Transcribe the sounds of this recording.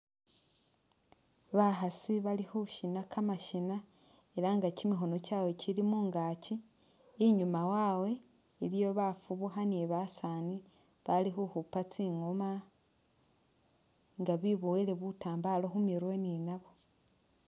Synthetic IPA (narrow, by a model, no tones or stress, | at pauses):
βaxasiβalixuʃinakʰamaʃina | e̞laŋɡacimixo̞no̞cawe̞cilimuːŋɡaːciː | ɲumawaːwe̞ | ilijo̞βafuβuxaneβasani | βalixuxupat͡siːŋoma | ŋɡaβiβoele̞βutaːmbalo̞xumiɾweninaβo̞